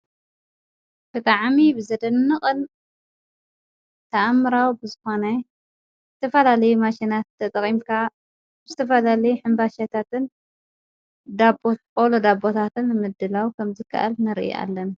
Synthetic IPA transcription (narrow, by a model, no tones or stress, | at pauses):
kɨt̪ʼaʕmibɨzɐd̪ɐnːɨχʼɨl | t̪ʰɐʔamːɨɾawbɨzɨxo̞nɐ | zɨt̪ʰɐfɐlalɐjumaʃinat̪ʰːɐt̪ʼɐkʼimkʰa | bɨzɨt̪ʰɐfɐlalɐjuħɨmbaʃat̪ʰat̪ɨn | d̪abkʼolod̪abo̞t̪ʰat̪ɨnːmɨd̪ːɨlawkʰɐmzɨkʰːa̰ʔa̰lnɨɾʔḭa̰lːɐn